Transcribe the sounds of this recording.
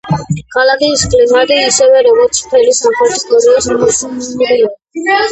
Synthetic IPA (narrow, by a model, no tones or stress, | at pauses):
kʰalakʰiːskʰʼlimad̪iisɛvɛɾɔɡɔɾt̪sʰpʰɛlisamχɾɛt̪ʰist̪ʼɔɾiɔsmɔt͡ʃbia